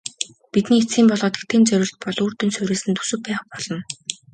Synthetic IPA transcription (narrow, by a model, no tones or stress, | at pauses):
pit̪niːet͡sɡʲiːmpɔɮɔːt̪̆k̚t̪ʰeːnt͡sœɾʲʊ̆ːɮt̪̚pɔɮuːrt̪ɵ̆nsɵɾeːsɘ̆nt̪ʰu̥sɵ̆pæːχpɔɮ̥ɞ̆n